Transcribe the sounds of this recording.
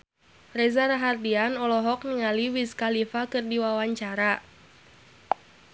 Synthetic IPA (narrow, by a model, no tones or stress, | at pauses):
rɛzaɾaɦardianɔlɔɦɔk̚nəŋaliwiskalifakɨrdiwawaɲt͡ʃaɾa